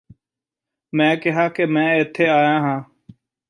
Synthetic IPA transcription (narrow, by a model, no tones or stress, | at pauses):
mɛ̃ːkɪɦaːkeːmɛ̃ːɪt̪ʰːeːaːjãːɦãː